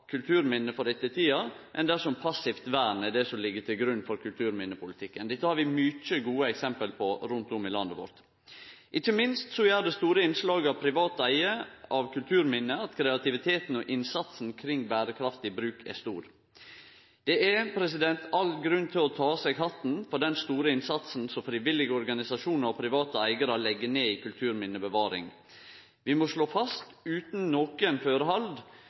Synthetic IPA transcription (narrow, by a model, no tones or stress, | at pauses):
kʰʉlt̪ʰʉːɾmɪnːəfɔɖ̪ɛt̪ːəɪt̪ʰiːɑmʔɛnd̪æʂɔmpʰɑsːɪft̪ʋæːɾɳɛd̪ɛsɔmlɪɡːət̪ʰɪlɡɾʉnːfɔɾkʰʉlt̪ʰʉːɾmɪnːəpʰʊlɪt̪ʰɪkːənd̪ɛt̪ːəhɑɾʋɪmʏt͡ʃəɡuːəɛksɛmpəlpʰɔɾʉnt̪ʊmɪlɑnd̪əʋɔ̰ɾt̪ | ʔɪçːəmɪnst̪sɔjæːɾɖ̪ɛst̪uːɾəɪnslɑːɡɑʋpʰɾɪʋɑːt̪æɪəɑʋkʰʉlt̪ʰʉːɾmɪnːəɑt̪kʰɾɛɑt̪ɪʋɪt̪ʰeːt̪n̩ɔʔɪnsɑt̪snkʰɾɪŋːbæːɾəkʰɾɑft̪ɪbɾʉːkʰɛ̰st̪uːɾ | d̪̥ɛæpʰɾɛsɪd̪ɛnt̪ʰɑlɡɾʉnt̪ʰɪlɔt̪ʰɑːsɛɡhɑt̪n̩fɔɖɛnst̪uːɾəɪnsɑt̪sn̩sɔmfɾɪʋɪlːɪɡəɔɾɡɑnɪsɑʂuːnəɾɔpʰɾɪʋɑːt̪əæɪɡəɾɑlɛɡːəneːikʰʉlt̪ʰʉːɾmɪnːəbəʋɑːɾɪ̰ŋ | ʋɪmɔʂɭoːfɑst̪ʉːt̪n̩noːkənføːɾəhɑld̪